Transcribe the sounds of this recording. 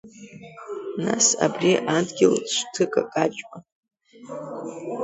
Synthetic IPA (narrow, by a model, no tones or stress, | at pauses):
na̰sa̰briʔadɡʲɪlʃʷtʰɨkʼakʼat͡ʃʼma